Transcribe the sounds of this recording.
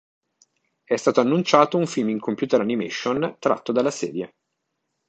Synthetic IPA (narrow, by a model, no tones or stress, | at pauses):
ɛst̪aːt̪oanːunt͡ʃaːt̪ouɱfilmiŋkompjuːt̪eɾanimḛʃont̪ɾa̰t̪ːod̪alːasɛ̰ːd̪je